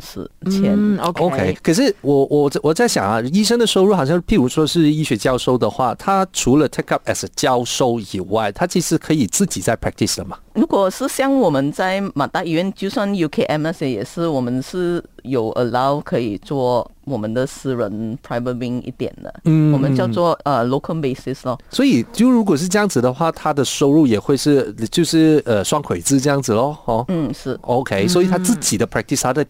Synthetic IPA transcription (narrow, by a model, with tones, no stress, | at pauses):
ʂ̩˧˩t͡ɕʰjɛ˧˥no˧o˧ʊkʰe˥ɪkʰə˨˩ʂ̬ɻ̩˥˩wɔ˨˩wʔɔ˨˩˥wɔ˨˩t͡sa˥˩ɪɕjɑ̰˨˩ŋɐ˦i˥ʂə˥ŋdə˨ʂ̩˧˥ɻu˧˥xɑ˨˩ʊɕjɑ˥˧˥pʰi˥˩ŋu˧˥ʂwɔ˥ʂɻ̩˥˧i˥˩ɕɥɛ˧˥t͡ɕjɑ˥ʊʂo˥ʊd̪ə˨xwa˥˩t̪ʰa˥ʈ͡ʂʰu˧˥lə˧t̪ʰɛ˥ka˥p̚ɛ˥˩sə˩t͡ɕjɑ˥ʊʂo˥ʊi˨˩wa˥˩ɪt̪ʰa˥t͡ɕʰi˧˥ʂɻ̩˥˩kʰɤ˧˥i˨˩t͡sɹ̩˥˩t͡ɕi˨˩t͡sa˥˩ɪpʰɹɛ˥k̚t̪ʰi˨˩sd̪ə˩mɐ˨˩ɻu˧˥kwɔ˨˩ʂɻ̩˥˩ɕjɑ˥˧ŋwɔ˨˩mə˧˦nt͡sa˥˩ɪma˨˩t̪a˥˧i˥ɥɛ˧˥nt͡ɕjo˥˧ʊswa˥˧nju˧kʰe˥ʔɛ˥˩mɛ˥se˧˥jɛ̰˨˩ʂɻ̩˥˩wɔ˨˩mə˦nʂɻ̩˥˩jo˨˩ʊʔə̰˧la˥˧ʊkʰɤ˧˥i˨˩t͡swɔ˥˧wɔ˨˩mə˦nd̪ə˨sɹ̩˥˧ɻə˧˦npʰɹa˧˥ɪvə˧t̚wi˧ŋḭ˥˩t̪jɛ̰˨˩nd̪ə̰˦n̩˥wɔ˨˩mə˧˦nt͡ɕjɑ˥˧ʊnt͡swɔ˥˧ə˨lo˧ʊkʰə˥be˥˧ɪsi˥slə˧swɔ˧˥i˨˩t͡ɕjo˥˩ʊɻu˧˥k̬wɔ˨˩ʂ̬ɻ̩˥˧ʈ͡ʂɤ˥jɑ˥˩ŋd͡z̩˩d̪ə˧xwa˥˩t̪ʰa˥d̪ə˨ʂo˥ʊɻu˥˩jɛ˨˩xwe˥˧ɪʂɻ̩˥˩˨t͡ɕjo˥˧ʊʂɻ̩˥˩ə˨swɑ˥ŋkʰwe˨ɪt͡sɹ̩˥ʈ͡ʂɤ˥˧jɑ˥˩ŋd͡zɹ̩˨˩lə˧˦ɔ˥n̩˥˩ʂɻ̩˥˩ʔo˧ʊkʰe˥ɪswɔ˧˥i˨˩t̪ʰa˥t͡sɹ̩˥˩t͡ɕi˨˩d̪ə˦pʰɹɛ˥k̚t̪ʰi˥st̪ʰa˥d̪ə˧